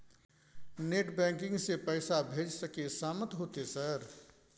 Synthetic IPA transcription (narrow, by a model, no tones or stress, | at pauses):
neːʈbɛ̃ːŋkɪ̃ŋɡsepɛɪsabʱeːd͡ʒsəkesaːmət̪ɦoːt̪esəɾ